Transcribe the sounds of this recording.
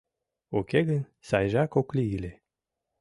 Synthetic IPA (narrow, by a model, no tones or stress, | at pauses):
okeɣən | sɑjʒɑkokliilʲe